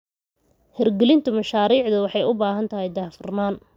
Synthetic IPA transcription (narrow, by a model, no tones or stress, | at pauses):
hɛrɡɛlɪnt̪ʰʊmɐʃaːɾiːʕd̪ɐwɑħɑjʊbaːɦɐnt̪ʰɐɦɛjd̪aːfʊrnaːn